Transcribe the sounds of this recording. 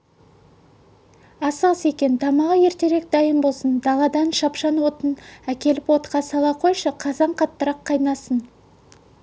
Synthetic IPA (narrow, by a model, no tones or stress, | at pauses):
ɑsɑse̞kʲe̞nt̪ʰɑmɑʁəje̞ɾt̪e̞ɾe̞k̚d̪ɑjəmbolˠsənd̪ɑlˠɑd̪ɑnʃɑpʃɑnwo̞t̪ənækʲe̞lɪpwo̞t̪qɑsɑlˠɑqʰo̞jʃəqʰɑzɑɴqʰɑt̪ːəɾɑqʰːɑjnɑsən